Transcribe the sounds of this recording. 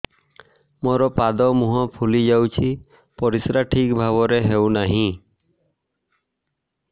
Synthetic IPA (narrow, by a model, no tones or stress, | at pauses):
moɾɔpad̪ɔmuɦɔ̃pʰulid͡ʒawt͡ʃʰi | pɔɾisɾaʈʰikbʱaβɔɾeɦewnaɦĩ